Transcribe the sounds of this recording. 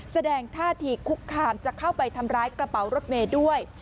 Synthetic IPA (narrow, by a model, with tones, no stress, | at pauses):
sa˧dɛː˧ŋt̪ʰaː˥˩t̪ʰiː˨˩kʰu˦˥kʰːaː˧mt͡ɕa˨˩kʰːa˥˩wpa˧jt̪ʰa˧mɾaː˦˥jkla˧pa˩˦wɾo˦˥t̪̚meː˧du˥˩əj